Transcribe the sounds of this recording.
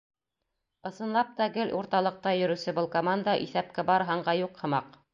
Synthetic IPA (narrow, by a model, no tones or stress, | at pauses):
ɤ̆sɤ̆nlˠɑp̚t̪ɑɡɘlʔuɾt̪ɑlˠɤ̆q̚t̪ɑjɵ̆ɾɵ̆sɘbɤlˠkomand̪ɑʔḭθæp̚kɘbɑɾɦɑɴɢɑjuqhɤ̆mɑq